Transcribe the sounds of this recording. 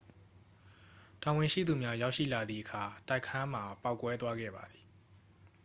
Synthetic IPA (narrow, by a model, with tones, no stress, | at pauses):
ta˨wɪ̃˨ʃḭ˦˨d̪u˨mja˦ja˦ʊʔʃḭ˦˨la˨d̪ðḭ˦˨ʔəkʰa˨ta˦ɪkʰã˦m̥a˨pa˦˨ʊkwɛ˦t̪wa˦ɡɛ̰˦˨ba˨d̪i̥˨